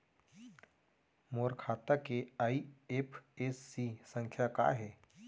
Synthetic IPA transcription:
moɾkʰat̪akeaiepʰesːisəŋkʰjaka̰ɦe

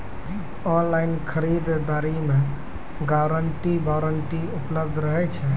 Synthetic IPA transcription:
ɔnlainkʰəɾid̪d̪aɾimẽ | ɡaɾəɳʈibaɾəɳʈiupləbd̪ʱɾəɦɛt͡ʃʰɛ

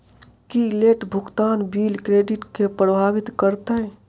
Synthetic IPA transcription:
kileːʈbʱʊɡt̪aːnbiːlkɾeːɖɪʈkepɾəbʱaːʋɪt̪kəɾt̪eɦɛ

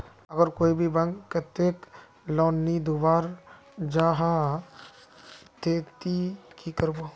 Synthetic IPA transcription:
əɡəɾkoːibʱibɐ̃ŋɡkɐt̪ːeːk | lɔːnːid̪ubaːɾ | d͡ʒaːɦa | t̪eːt̪ikikəɾbo

